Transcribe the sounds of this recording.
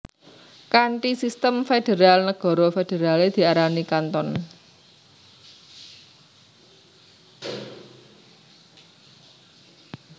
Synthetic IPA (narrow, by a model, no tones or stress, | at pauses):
kaɳʈisist̪əmfed̥e̤ɾalnəɡ̥ɔ̤ɾɔfed̥e̤ɾaled̪̥i̤aɾanikant̪ɔn